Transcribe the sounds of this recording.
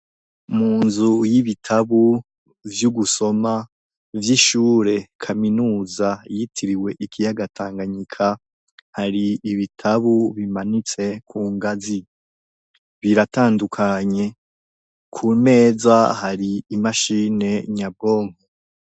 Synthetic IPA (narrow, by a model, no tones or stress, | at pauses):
muːnzujiβitʰaβu | vjuɡuso̞ma | vjiʃuːɾe̞kʰaminuːzajitʰiɾiwe̞ʔikʰijaɡatʰaːŋɡaɲikʰa | haɾiːβitʰaβuβimanit͡se̞kʰuːŋɡazi | βiɾataːndukʰaɲe̞ | kʰume̞ːzahaɾiimaʃine̞ɲaboːŋho